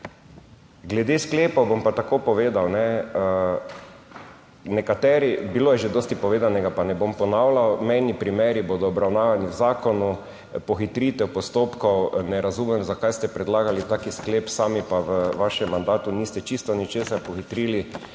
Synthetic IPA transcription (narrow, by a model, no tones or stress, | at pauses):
ɡlɛd̪eskleːpɔwbompat̪akoːpɔʋeːd̪awnɛ | nɛkat̪ɛːɾibiloːjɛʒed̪oːst̪ipɔʋeːd̪anɛɡapanɛbompɔnaːwlawmɛjnipɾimeːɾiboːd̪ɔːbɾawnaːʋaniwzaːkɔnu | pɔxit̪ɾiːt̪ɛwpɔst̪oːpkɔwnɛɾazuːmɛmzakajst̪ɛpɾɛd̪laːɡalit̪aːkiskleːpsaːmipaʋəʋaʃɛmːand̪aːt̪uniːst̪ɛt͡ʃist̪ɔnit͡ʃeːsaɾpɔxit̪ɾiːli